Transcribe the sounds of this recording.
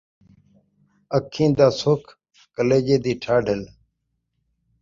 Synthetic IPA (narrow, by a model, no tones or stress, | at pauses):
əkʰːĩːd̪aːsoːkʰ | kəleːd͡ʒeːd̪iːʈʰaːɖʱəl